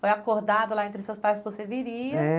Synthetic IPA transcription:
fojakoɾd̪ad̪ʊlaẽnt̪ɾɪsewspajskɪvoseviɾiɐɛ

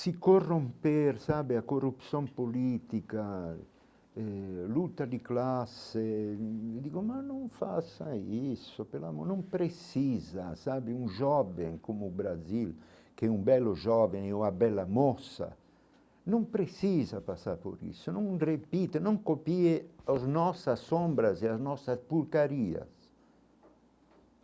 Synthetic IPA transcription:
sikorːompeɾsabeakorːupsjompoliːt̪ika | ɛlut̪ad̪iklasːe | d̪iːkomanoɱfasaisːopeɾla̰monompɾesizasabeunʒɔveŋkomubɾazil | kɛumbɛlːoʒɔveŋeuŋabɛlːamɔsa̰ | noŋpɾesizapasapo̰ɾḭsonõŋrepit̪enoŋkopieoznɔsasːombɾazeaznɔsaspuɾkaɾia̰s

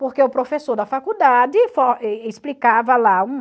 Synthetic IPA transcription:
poɾkeʊpɾofesoɾd̪ɐfakud̪ad͡ʒ̪ɪfoɛisplikavɐlaũ

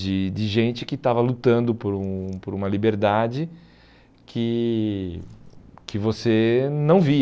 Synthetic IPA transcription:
d͡ʒɪd͡ʒɪʒẽnt͡ʃɪkɪt̪avɐlut̪ɐ̃nd̪ʊpoɾũpoɾũmɐlibeɾd̪ad͡ʒɪ | kʰɪ | kɪvosenɐ̃w̃vi

